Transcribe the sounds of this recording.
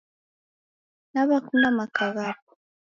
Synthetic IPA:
naβakunamakaβapu̥

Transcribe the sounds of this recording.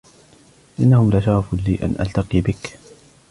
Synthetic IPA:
ʔɪnːahʊmlaʃaɾˤfliːʔa̰nʔa̰lt̪ɑqiːbɪk

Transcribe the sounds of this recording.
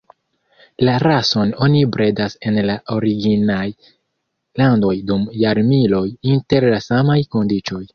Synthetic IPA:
laɾaso̞no̞nibɾe̞dase̞nlaʔoɾiɡinaj | lando̞jdumjaɾmilo̞jinte̞ɾlasamajko̞ndit͡ʃo̞j

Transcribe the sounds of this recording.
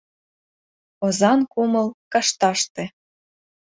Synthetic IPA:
ozɑnkumɤ̆lkɑʃt̪ɑʃt̪ĕ

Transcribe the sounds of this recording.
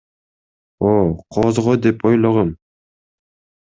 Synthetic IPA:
oqʰozʁod̪epojlˠoʁɑm

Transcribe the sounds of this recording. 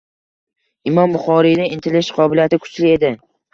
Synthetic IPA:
ɪmɒmbʊχɒɾid̪ɪɪnt̪ʰɪlɪʃqʰɒbɪlijat̪ɪkʰʊ̥t͡ʃlɪe̞d̪ɪ

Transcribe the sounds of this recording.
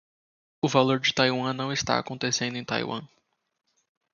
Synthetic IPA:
ʊvaloɾd͡ʒɪt̪ajwɐ̃nɐ̃w̃ɪst̪a̰a̰kõnt̪esẽnd̪ʊẽj̃t̪a̰jwɐ̰̃

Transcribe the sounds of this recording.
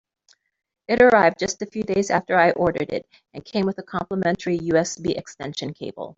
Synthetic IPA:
ɨɾə˞aɪvd̚d͡ʒʌstɨfjʉdeɪzæ̰ftə˞aɪʔɔɹɾə˞ɾɪ̰ɾ | ɨ̃nkʰẽɪ̃mwəðəkʰɑ̃mpləmɛ̃ntʰə˞ijʉɛsbiʔɨkstɛ̰̃nʃɨ̃nkʰeɪbl̩ˠ

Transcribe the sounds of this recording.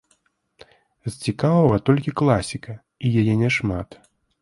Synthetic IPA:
zt͡sʲikavɐvɐt̪ɔlʲkʲiklˠasʲikɐ | ijajɛnʲɛʂmat̪

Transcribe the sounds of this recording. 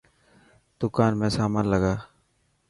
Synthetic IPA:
d̪̥ʊkaːnmẽːsaːmaːnləɡaː

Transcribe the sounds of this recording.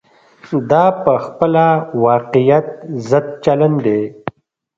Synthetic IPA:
d̪ɑːpəxpəlawɑqijat̪̚zəd̪̚t͡ʃaland̪e

